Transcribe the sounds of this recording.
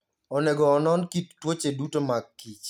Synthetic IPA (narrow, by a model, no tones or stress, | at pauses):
ɔnɛɡɔːnɔnkit̚twot͡ʃedutomakit͡ʃ